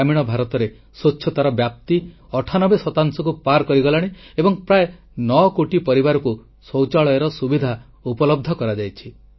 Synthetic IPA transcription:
amiɽ̃ɔbʱaɾɔt̪ɔɾe | sotːʃʰɔt̪aɾɔbjap̚t̪i | ɔʈʰanɔbesɔt̪aŋsɔkupaɾkɔɾiɡɔlaɽ̃eebɔŋpɾae | nɔkoʈipɔɾibaɾɔku | sɔwt͡ʃaɭɔjeɾɔsubid̪ʱa | upɔlɔb̚d̪ʱɔkɔɾad͡ʒajt͡ʃʰi

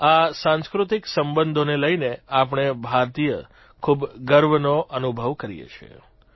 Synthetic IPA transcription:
asãnskɾut̪iksəmbənd̪ʱoneləineap̬ɳ̃ebʱaɾt̪ijə̰ | kʰubɡəɾʋənoʔənubʱəʋkəɾḭjḛt͡ʃʰḛ

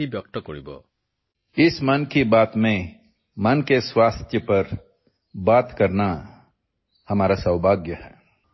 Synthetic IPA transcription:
ibjək̚t̪ɔkoɽḭbɔ̰ | ɪsmɐnkibaːt̪mẽ | mɐnkeswaːst̪ʰjəpɐɾ | baːt̪kɐɾna | hɐmaːɾasɐwbʱaːɡjəhɛː

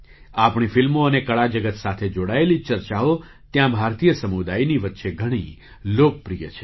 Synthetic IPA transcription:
apɳifilmoənekəɭad͡ʒəɡət̪sat̪ʰed͡ʒoɽaelit͡ʃəɾt͡ʃaɦo | t̪jãbʱaɾt̪ijəsəmud̪ajniʋət̪ːʃeɡʱəɽ̃ḭ | lok̚pɾijət͡ʃʰe̥

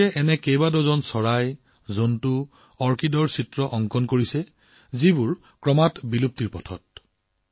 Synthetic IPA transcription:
ɛʔɛnɛkejbadɔzɔnsɔɹaj | zontu | ɔɹkidɔɹsitɹɔʔɔŋkɔnkoɹisɛ | zibʊɹ | kɹɔmatbilup̚tiɹpɔtʰɔ̰t̚

